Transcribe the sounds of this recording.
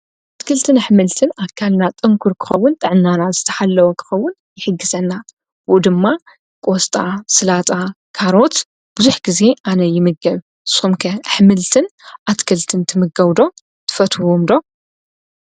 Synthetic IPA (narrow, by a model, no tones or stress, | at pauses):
ʔat̪kʰɐlt̪ʰɨnħmɨlt̪ʰɨnakʰːalnat̪ʼɨŋkʰuɾkʰɨ̥xɐwːʊnt̪ʼɐʕɨnːanazɨt̪ʰɐ̥ħalːɐwɐkʰɨ̥xɐwːʊn | jɪħɨɡːɨzɐnːa | wɨʔud̪ɨmːa | kʼo̞st̪ʼasɨlat̪ʼa | kʰaɾo̞t̪ | b̥ɨzuħɡ̥ize̞ʔanɐjɪmɨɡɐβ | sumkʰɐħmɨlt̪ʰɨnʔat̪kʰɐlt̪ʰɨnt̪ʰɨmɨɡɐwd̪o̞ | t̪ʰɨ̥fɐt̪womd̪o̞